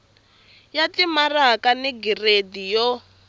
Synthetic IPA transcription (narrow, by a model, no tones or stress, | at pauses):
jatimarakaniɡiredijɔ